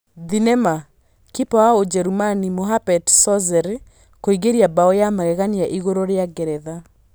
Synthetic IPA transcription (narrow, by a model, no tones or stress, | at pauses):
ðinɛma | kipawaod͡ʒɛɾumanimoɦapɛdsɔzɛɾe | koiɣeɾiabaɔjamaɣɛɣaniaʔiɣoɾoɾeaɡɛɾɛða